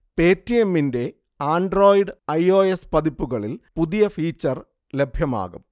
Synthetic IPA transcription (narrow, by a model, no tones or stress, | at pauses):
pe̞ːtːijemːinde̞ | aːɳɖro̞ːjiɖɐjo̞ːespɐðipːuɣɐɭilpuðijɐfiːt͡ɕːɐr | le̞bʱjɐma̰ːɣum